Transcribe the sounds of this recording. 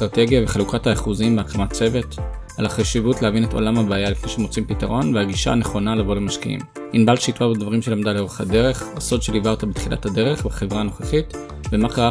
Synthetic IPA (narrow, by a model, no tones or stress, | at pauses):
tʁateɡjaveχalukathaːχuzimbeakamat͡se̞ve̞t | a̰lhaχaʃivutlehavineto̞̰lamabaːjalifne̞ʃeemot͡simpitaʁo̞nveaɡiʃa̰ːne̞χo̞nalabolemaʃkḭḭm | inbalʃitvabedvaʁimʃelamdaleo̞ʁeχade̞ʁe̞χaso̞dʃelivaot̪abet̪χila̰thade̞ʁe̞χbeχe̞vʁaːno̞χeχit | vemakaʁa